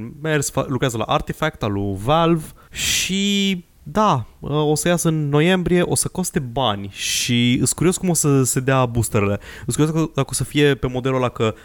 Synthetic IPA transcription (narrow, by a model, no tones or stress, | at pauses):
mersfalukɾeazəla̰ʔart̪ifek̚t̪aluvelvʃi | d̪aəo̞səjasɨnːo̞je̞mbɾije̞ʔo̞səko̞st̪e̞banʲʃiɨ̰t̪skuɾijo̞skumo̞səse̞d̪eabust̪eɾele̞ɨt̪skuɾjoskəd̪akosəfije̞pe̞mo̞d̪e̞lod̪akə